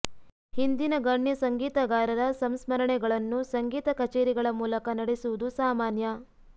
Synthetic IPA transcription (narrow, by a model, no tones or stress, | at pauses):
hind̪inɐɡɐɳːjɐsɐŋɡiːt̪ɐɡaːɾɐd̪ɐsɐmsmɐɾɐɳɛɡɐɭɐnːusɐŋɡiːt̪ɐkɐt͡ʃeːɾiɡɐɭɐmuːlɐkɐnɐɽesuʋud̪usaːmaːnjɐ